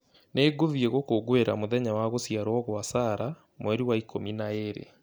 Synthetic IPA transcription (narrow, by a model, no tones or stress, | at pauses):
neːɡovieɣokoɡweɾa̰moðɛɲawaɣosjaɾwɔɣwasaɾa | mwɛɾiwaikʰominaeɾḛ